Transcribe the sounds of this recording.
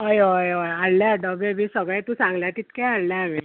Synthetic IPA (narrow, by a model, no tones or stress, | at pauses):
əjəjəjaɽljaaɖəbebʱisəɡɭjt̪ũːsãŋɡljat̪it̪kãaɽljami